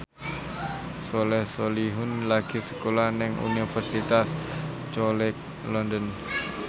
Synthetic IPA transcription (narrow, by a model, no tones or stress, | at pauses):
solɛhsoliɦʊnlaɡ̥isə̥kolanɪŋṵnifərsit̪as | t͡ʃɔlɛk̚ | lɔndən